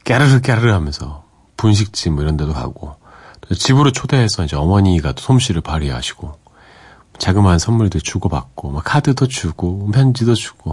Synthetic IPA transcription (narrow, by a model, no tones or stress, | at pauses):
k͈eɾɯɾɯk̬͈eɾɯɾɯɭɦamjʌnsʰʌ | punɕ̬ʰik̚t͡ɕ͈imɯiɾjʌndedoka̰ɡ̥o | tet͡ɕibɯɾot͡ɕʰode̞ɦesʰʌind͡ʑe̞ʌmʌɲiːɡatosʰomɕʰiɾɯɭpaɾiɦaɕʰi̥ɡ̥o | t͡ɕaɡɯmɦansʰʌnmuɭdɯt͡ɕuɡʌpak̚k͈omakʰadɯdot͡ɕuɡ̥ompʰjʌnd͡ʑidot͡ɕu̥ɡ̥o